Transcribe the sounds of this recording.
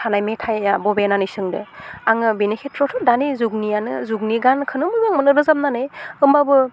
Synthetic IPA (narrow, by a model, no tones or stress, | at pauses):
tʰanajmetʰajabɔbenanɯjsɯŋdɯaŋɯbinekʰetʰɾɔtʰɔdanizuɡ̚nijanɯzuɡniɡankʰɯnɯmɯbɯŋmɯnɯɾɯzap̚nanɯjɯmbabɯ